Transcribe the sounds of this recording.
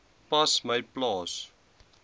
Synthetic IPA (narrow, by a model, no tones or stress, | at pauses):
pɐsmɐjplɑːs